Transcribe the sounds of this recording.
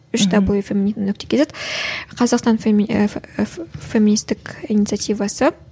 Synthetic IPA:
ʏʃd̪ɑbojəfʲeminisnwɵkt̪ekʰʲeseqʰɑzɑqst̪ɑnf | femʲinist̪ɪkinʲit̪sɨat̪ijvɑsə

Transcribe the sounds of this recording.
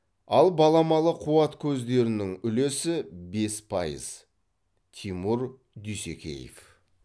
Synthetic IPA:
ɑlˠbɑlˠɑmɑlˠəqʰuɑt̪kʲʰɵzd̪e̞ɾɪnɪŋʏlesɪbe̞spʰɑjə̰z̥ | t̪ʰimuɾ | d̪ysekʲḛjḛf

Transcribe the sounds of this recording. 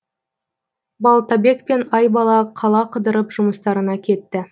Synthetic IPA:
bɑlˠt̪ɑbe̞kpe̞nɑjbɑlˠɑqʰɑlˠɑqʰəd̪əɾəpʒʊməst̪ɑɾənɑkʲʰe̞t̪ːɪ

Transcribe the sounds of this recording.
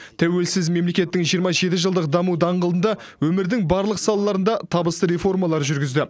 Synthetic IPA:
t̪ʰæwe̞lsɪzme̞mle̞kʲe̞t̪ːɪŋʒijəɾmɑʒe̞t̪ɪʒəlˠd̪əqd̪ɑmud̪ɑɴʁəld̪ənd̪ɑ | wɵmɪɾd̪ɪŋbɑɾlˠəqsɑlˠɑlˠɑɾənd̪ɑt̪ʰɑbəst̪əɾe̞fo̞rmɑlˠɑɾʒʏɾɡʲɪzd̪ɪ

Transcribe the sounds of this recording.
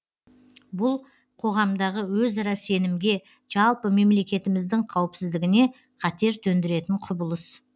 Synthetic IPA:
bʊlˠ | qʰo̞ʁɑmd̪ɑʁəwɵzɑɾɑse̞nɪmɡʲe̞ | ʒ̥ɑlˠpəme̞mle̞kʲe̞t̪ɪmɪzd̪ɪŋqʰɑwɪpsɪzd̪ɪɡʲɪne̞ | qʰɑt̪e̞ɾt̪ʰɵnd̪ɪɾe̞t̪ɪɴqʰʊbʊlˠəs

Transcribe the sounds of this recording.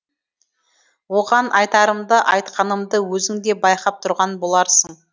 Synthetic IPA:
wo̞ʁɑnʔɑjt̪ɑɾəmd̪əʔɑjt̪qɑnəmd̪əwɵzɪŋd̪e̞bɑjqɑp̚t̪ʰʊɾʁɑnbo̞lˠɑɾsəɴɴ

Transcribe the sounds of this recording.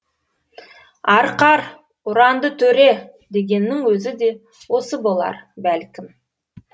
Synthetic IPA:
ɑɾqɑɾ | ʊɾɑnd̪ət̪ʰɵɾe̞ | d̪e̞ɡʲe̞nːɪŋwɵzɪd̪e̞ | wo̞səbo̞lˠɑ̰ɾbælkʲɪm

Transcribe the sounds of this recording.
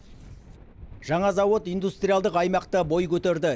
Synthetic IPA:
ʒ̥ɑɴɑzɑwo̞t̪ijnd̪ust̪ɾʲijalˠd̪əqɑjmɑqt̪əbo̞jkʲʰɵt̪eɾd̪ɪ

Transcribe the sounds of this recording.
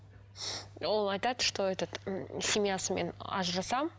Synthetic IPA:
olˠajt̪at̪ʂt̪o̞ɛt̪ət̪sʲɪmʲjasəmʲenɑ̰ʒɾɑsɑm

